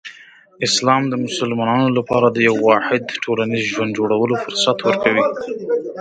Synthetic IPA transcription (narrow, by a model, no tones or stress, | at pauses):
ɪslɑmd̪əmʊsʊlmɑnɑnolapɑɾad̪əjawːɑħɪd̪ʈʰolanizʒwand̪d͡ʒoɽawəlofʊɾsat̪wəɾkawi